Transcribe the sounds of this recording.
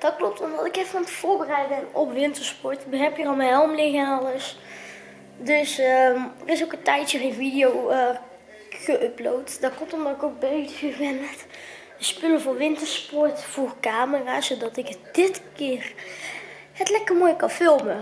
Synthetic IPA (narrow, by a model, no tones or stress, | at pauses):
d̥ɔt̚klɔp̚tɔmdɑtɪkefənɔmtə̥v̥oːɹbərɛjdbɛnɔpʋɪntəɹspɔɹtbəɦɛpjərɔlˠmɛnɦɛlˠmleɣaːaləs | dɵsəmrɪsokəntɛjtjəχenvidijowə | ɣəʔøplowtdɔtklɔp̚tɔmdɔtɪkok̚beɥtybɛnmɛt | əspʏləvɔːʋɪntəspɔɹtfoːrkaːməraːsodɑtɪkd̥ɪtkɪːər | hətlɛkərmoːjkɑnfɪlˠmə